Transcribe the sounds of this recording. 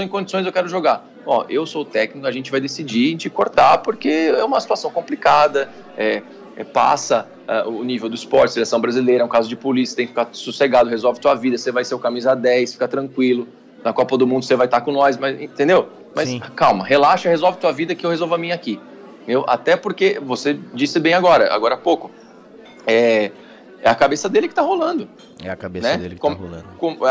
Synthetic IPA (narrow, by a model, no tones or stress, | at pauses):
w̃ẽkõd͡ʒisõj̃zewkɛɾʊʒoɡa | ɔewsot̪ɛknikʊaʒẽnt͡ʃɪvajd̪esid͡ʒĩt͡ʃɪkoɾt̪apoɾkeɛũmɐsi̥t̪uasɐ̃w̃kõplikad̪ɐ | ɛ | ɛpa̰sɐ | ɛʔʊːnivewd̪ʊispɔɾt͡ʃɪselesɐ̃w̃bɾazilejɾɐɛũkazʊd͡ʒɪpolisiɐ̥t̪ẽkɪfikaɾsuseɡad̪ʊhezɔwvɪt̪uɐvid̪ɐsevajseʊkamizad̪ɛjsfi̥kat̪ɾɐ̃kwilʊ | nɐkɔpɐd̪ʊmũnd̪ʊsevajt̪akõnɔjsmɐzḛ̃t̪ẽnd̪ew | mɐjskawmɐɦelaʃɐhezɔwvɪt̪uɐvid̪ɐkɪewhezowvɐmĩɲɐaki | ttt̪ẽnd̪ewʔa̰t̪ɛpoɾkevosed͡ʒisɪbẽj̃aɡɔɾɐ̰a̰ɡɔɾɐapowkʊ | ɛ | ɛɐkabesɐd̪elɪkɪ̥t̪aɦolɐ̃nd̪ʊ | ɛɐkabenɛd̪lkõmkõmɛ